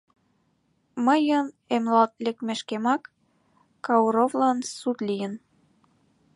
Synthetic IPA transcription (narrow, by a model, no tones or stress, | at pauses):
məjən | emlɑlt̪lʲekmeʃkemɑkː | ɑuɾovlɑnsut̪lijə̆n